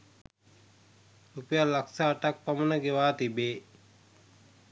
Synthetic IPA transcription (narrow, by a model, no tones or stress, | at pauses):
upəjalaksaːʈak̚pamənəɡeʋaːt̪ibeː